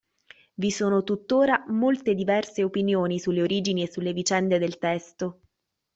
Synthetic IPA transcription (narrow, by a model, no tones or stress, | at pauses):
visoːnot̪ut̪ːoːɾamolt̪ed̪ivɛrseopinjoːnisulːeoɾiːd͡ʒiniesːulːevit͡ʃɛnd̪ed̪elt̪ɛst̪o